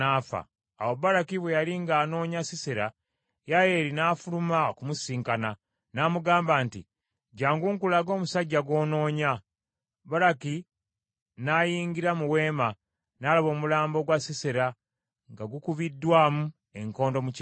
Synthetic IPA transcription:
afa̰ː | woβaɾakiβwejaliŋɡaːno̞ːɲasiseɾa | jaje̞ːɾinaːfulumaokumusiːŋkana | namuɡaːmbaːntḭ | ɟaːŋɡuːŋkulaɡo̞ːmusaɟːaɡwo̞ːno̞ːɲa | βaɾaki | najiːŋɡiɾamuwe̞ːma | naːlaβo̞ːmulaːmbo̞ɡwasiseɾa | ŋɡaɡukuβidːwaːmu | e̞ŋko̞ːndo̞muc

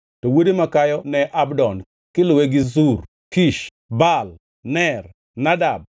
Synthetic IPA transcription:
tɔwodimakajɔnɛʔabdɔn | kɪlʊweɡɪzur | kiʃ | bal | nɛr | nadab̚

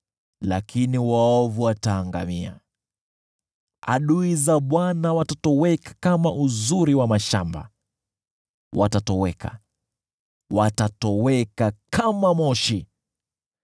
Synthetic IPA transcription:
la̰kʰiniwaɔvuataːŋɡa̰mia̰ | a̰ɗuizaɓwanawatatɔwɛkḁkamaʔuzuɾiwamaʃamba̰ | wʔatatɔwɛkʰa̰ | watatɔwɛkakʰamamɔʃi

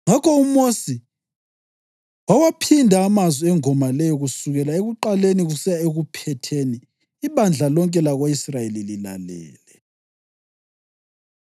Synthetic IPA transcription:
ŋakʰɔumosi | wawapʰindʱaːmazwiɛŋɔmalɛjɔɣusuɣɛlaeɣuǃaleniɣusɛjaeɣupʰɛtʰeniː | βand͡ɮʱalɔŋkʼɛlaɣwaisrajelilila̰lɛ̰ːlɛ

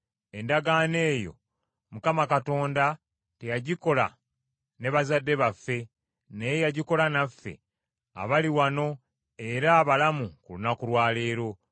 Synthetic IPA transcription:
e̞ndaɡaːne̞ːjo̞̰ | mukamakato̞ːnda | tejaɟiko̞la̰ | ne̞βazadːe̞βafːe̞ | nejejaɟiko̞lanafːe̞̰ | a̰βaliwano̞ | e̞ɾaːβalamukulunakulwaːle̞ːɾo̞

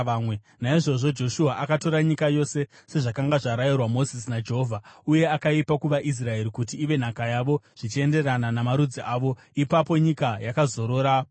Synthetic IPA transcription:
mwe | naiʐo̞ʐo̞d͡ʒo̞ʃuaʔakato̞ɾaɲikajo̞se̞ | se̞ʐakaŋɡaʐaɾajirwamo̞zis̬inad͡ʒeɦovʱauje̞akaipakuʋaʔis̬rae̞ɾikut̬iːʋe̞n̤akajaʋo̞ʐ̥it͡ʃie̞nde̞rananamaɾud͡ziʔaːʋo̞ | ipapo̞ɲikajakazo̞ɾo̞ːɾa

